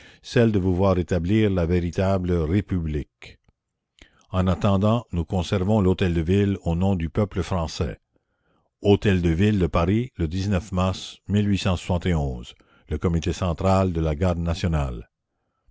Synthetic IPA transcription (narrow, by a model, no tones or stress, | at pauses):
sɛld̪əvuvwaʁet̪abliːʁlaveʁit̪abləʁepyblik | ɑ̃nat̪ɑ̃d̪ɑ̃nukɔ̃sɛʁvɔ̃lot̪ɛld̪əvilonɔ̃d̪ypœpləfχɑ̃sɛ̰ | ot̪ɛld̪əvild̪əpaʁiləd̪iznœfmaʁsmilɥisɑ̃sw̥sɑ̃t̪eɔ̃ːz | ləkɔmit̪esɑ̃t̪ʁald̪əlaɡaʁd̪nasjɔnal